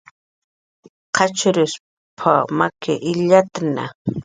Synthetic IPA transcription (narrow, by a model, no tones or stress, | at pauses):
qʰɑt͡ʃʊɾɪs | pʰamakʰɪʔɪʎat̪na̰